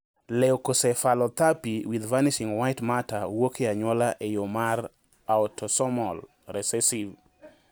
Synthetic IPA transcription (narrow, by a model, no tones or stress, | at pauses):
lɛokosɛfalɔt̪apiwid̪vaniʃiŋwajtmatawokeaɲwɔlaʔejomar | aɔtʰɔsɔmɔl | ɾɛsɛsiv